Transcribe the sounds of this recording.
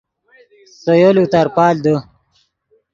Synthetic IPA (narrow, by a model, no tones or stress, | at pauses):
sojolut̪ɐɾpaːld̪ə